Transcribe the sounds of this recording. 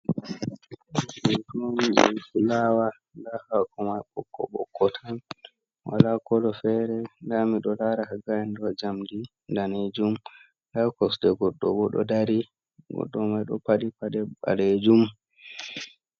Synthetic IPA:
utond͡ʒ̰ɛ̰kilawa | ndahakʰɔmajɓɔkːɔ̰ɓɔ̰kʰːɔtʰan | wa̰lakɔlɔfɛɾɛndamiɗɔlaɾahaɡajɛndɔd͡ʒamdi | ndaned͡ʒum | dakɔsdɛɡɔɗːɔbɔɗɔ̰daɾi | ɡɔ̰ɗːɔmajɗɔ̰paɗipaɗɛɓa̰led͡ʒum

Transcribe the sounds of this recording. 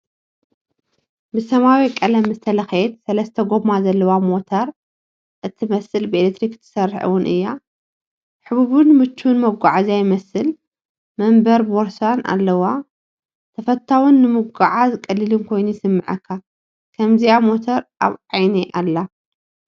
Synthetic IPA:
bɨsɐmawikʼɐlɐmɨst̪ʰɐlɐxet̪sɐlɐst̪ʰɐɡo̞mazɐlːɐwamo̞t̪ʰɐɾ | ʔɨt̪ʰimɐsɨlbɨelekt̪ɾikɨ̥t̪ʰɨ̥sɐɾħɨ̰wʊnʔɨ̰jːa | ħɨβuβunmɨt͡ʃːnmɐɡʷaʕazajɪmɐsɨl | mɐmbɐɾbo̞ɾsana̰lːɐwa | t̪ʰɐfɐt̪ʰːawunːɨmɨɡaʕazɨkʼːɐlːɨlɨnkʰo̞jnujɪsɨmːɨʕɐkʰːa | kʰɐmziamo̞t̪ʰɐɾʔa̰βʕajniʔalːa

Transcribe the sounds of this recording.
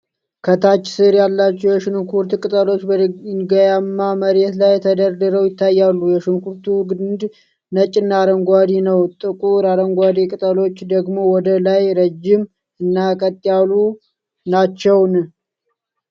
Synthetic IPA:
kʰət̪ʰat͡ʃːsɨɾjalːat͡ʃːɛwjɛʃɨnkʰuɾt̪kʼɨt̪ʼəlo̞t͡ʃːbənɡəjamːaməɾet̪lajɛt̪ʰəd̪əɾd̪əɾəwjɪt̪ʰːajːalːujɛʃɨnkuɾt̪ʰuɡd̪ | nət͡ʃʼːɪnːaɾəŋɡʷad̪inəwt̪ʼːɨkʼuɾaɾəŋɡʷad̪ikʼɨt̪ʼəlo̞t͡ʃːd̪əɡmo̞wɔd̪əlajɾəd͡ʒːɪm | ɨnːakʼət̪ʼːjalu | nat͡ʃːɛwn

